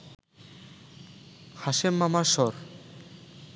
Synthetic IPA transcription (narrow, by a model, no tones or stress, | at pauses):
haʃemːamaɾʃɔɾ